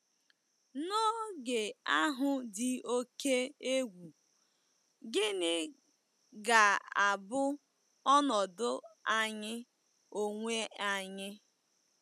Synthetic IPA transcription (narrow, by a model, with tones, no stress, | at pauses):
no˦ɡe˨a˦ɦʊ˨dɪ˨o˦ke˦e˦ɡʷu˨ | ɡɪ˦nɪ˦ | ɡa˨a˨bʊ˦ | ɔ˦nɔ˨dʊ˦a˨ɲɪ˦ | o˨ŋʷe˦a˨ɲɪ˦